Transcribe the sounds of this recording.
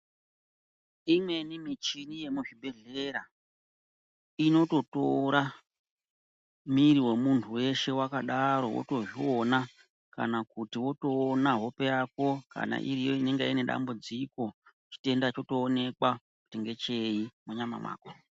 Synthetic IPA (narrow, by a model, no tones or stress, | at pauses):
imwe̞nimit͡ʃinije̞muʐibʱe̞ɮe̞ɾa | ino̞to̞to̞ɾa | miɾiwe̞muntʰuwe̞ʃe̞wakaɗaɾo̞wo̰to̞ʐiwona | ka̰nakutiwo̞to̞ːnaɦo̞pe̞jak̚o̞ka̰na̰ʔḭɾijoine̞ŋɡeine̞ɗa̰mbud͡ziko̞ | t͡ʃi̥te̞ndat͡ʃo̞to̞ːne̞kwa | ku̥teŋɡe̞t͡ʃeimuɲama̰mwa̰ːko